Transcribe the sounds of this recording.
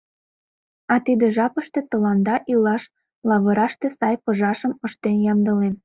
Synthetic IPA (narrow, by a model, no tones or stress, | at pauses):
ɑt̪id̪eʒɑpə̆ʃt̪ĕt̪ɤ̆lɑnd̪ɑʔilɑʃ | lɑβɤ̆ɾɑʃt̪esɑjpɤ̆ʒɑʃəmə̆ʃt̪enjɑmd̪ɤ̆len